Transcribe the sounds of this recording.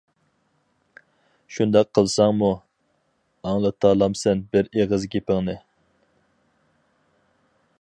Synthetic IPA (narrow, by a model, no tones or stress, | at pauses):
ʃund̪ɑqʰːəlˠsɑŋmu | ɑŋlˠɨt̪ʰɑːlˠɑmsɛnbɪɾeʁəzɡʲepɪŋnɨ